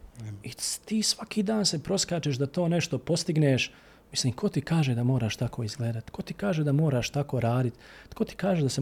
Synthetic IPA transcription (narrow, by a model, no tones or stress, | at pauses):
it̪iːsʋakiːd̪aːnse̞pɾo̞skaːt͡ʃeʃd̪at̪o̞ːne̞ʃt̪o̞po̞st̪iɡneːʃ | misliːmkʰo̞t̪ikaːʒed̪amo̞ːɾaːʃt̪akʰo̞ːizɡleːd̪at̪kʰo̞t̪ikaːʒed̪amo̞ːɾaːʃt̪ako̞ɾaːd̪it̪ko̞t̪i̥kaːʒed̪ase